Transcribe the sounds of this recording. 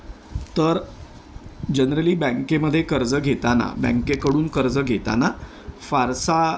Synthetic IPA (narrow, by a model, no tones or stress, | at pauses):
t̪əɾ | d͡ʑənɾəliːbæ̃ŋkeməd̪ʱːjekəɾd͡zəɡʱet̪ana̰bɛ̰̃ŋkekəɽuːnkəɾd͡zəɡʱet̪a̰na | faɾsa